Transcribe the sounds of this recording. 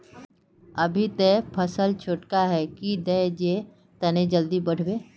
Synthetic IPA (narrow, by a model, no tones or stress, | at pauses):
ɐbʱit̪epʰəsəlt͡ʃʰoːʈkaɦɛkid̪ɛd͡ʒe | t̪ɐned͡ʒəld̪ibɐɽ̤beː